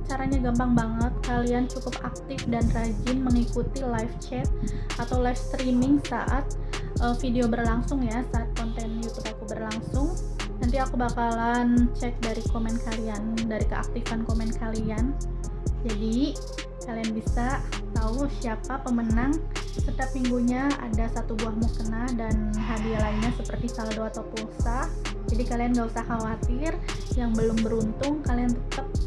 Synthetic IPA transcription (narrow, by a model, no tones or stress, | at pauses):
t͡ʃaɾaɲaɡambaŋbaŋət̪̚kaliant͡ʃukʊp̚ak̚t̪ɪfdanrad͡ʒɪnməŋikut̪ilajft͡ʃɛt̪̚at̪awlajfst̪ɾimɪŋsa̰ʔat̪̚ | ʔəfideobərlaŋsʊŋjasaːt̪̚kɔnt̪ɛnjut̪upakubərlaŋsʊŋ | nant̪iakubakalant͡ʃɛk̪̚daɾikomɛnkaliandaɾikəa̰k̚t̪ifankomɛnkʰalian | d͡ʒadi | kalianbisa | t̪ausiapapəmənaŋ | sət̪iap̚miŋɡuɲaa̰dasat̪ubuahmukənahdanɦadialaɲasəpərt̪isaladoat̪apusahd͡ʒadikalianŋɡausahawat̪ɪr | jaŋbəlʊmbəɾunt̪ʊŋkaliant̪ət̪əp̚